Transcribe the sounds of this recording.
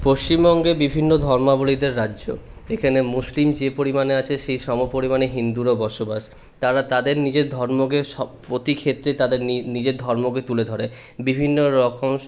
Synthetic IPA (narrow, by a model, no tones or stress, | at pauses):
poʃt͡ɕimbɔŋɡebibʱinːod̪ʱɔɾmabolid̪eɾːadːʑo̰ | ekʰanemuslimd͡ʑepoɾimaneat͡ɕʰeʃejʃɔmopoɾimaneɦind̪uɾobɔɾʃobaʃ | t̪aɾat̪ad̪eɾnid͡ʑeɾd̪ʱɔɾmoɡeʃɔpɾot̪ikʰet̪ːɾet̪ad̪eɾnid͡ʑeɾd̪ʱɔɾmoɡet̪uled̪ʱɔɾe | bibʱinːoɾɔkʰoŋ